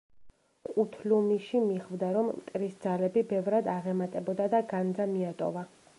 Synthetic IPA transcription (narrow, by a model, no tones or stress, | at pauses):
qʼut̪ʰlumiʃimiχvd̪aɾɔmːt̪ʼɾisd̪zalɛbibɛvɾad̪aʁɛmat̪ʼɛbɔd̪ad̪aɡand̪zamiat̪ʼɔ̰va